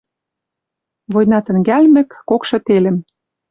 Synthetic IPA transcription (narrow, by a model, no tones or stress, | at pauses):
βojnɑt̪ə̆ŋɡælmɘ̆kːokʃɤ̆t̪elɘ̆m